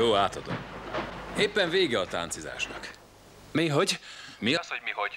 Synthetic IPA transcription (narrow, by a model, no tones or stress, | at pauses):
oːaːt̪ɒd̪o̰m | eːpːɛɱveːɡɛɒt̪a̰ːnt̪siza̰ːʃnɒk | meːɦo̞ɟmiɒsho̞ɟmiɦo̞ɟ̥